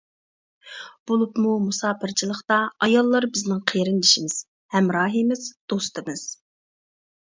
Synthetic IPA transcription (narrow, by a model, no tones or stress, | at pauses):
b̥olˠupmumusɑːpʰɪɾt͡ʃʰilˠəχt̪ɑɑjɑlˠːɑɾbɪznɪŋqʰeɾɪnliʃimɪz̥ | hɛmɾɑːɦimɪzd̪̥ost̪ɨmɨz̥